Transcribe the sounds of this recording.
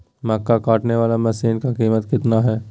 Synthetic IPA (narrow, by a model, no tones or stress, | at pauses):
mɐkːakaːʈneʋaːlamɛsiːnkakiːmət̪kɪt̪naɦɛː